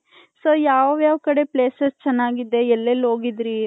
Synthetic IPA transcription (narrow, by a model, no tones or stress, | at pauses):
soːjaːʋʋjaːʋkɐɽe̞pleːsɐst͡ʃɛnːaːɡid̪ːe̞ɛlːelːɦo̞ːɡid̪ɾi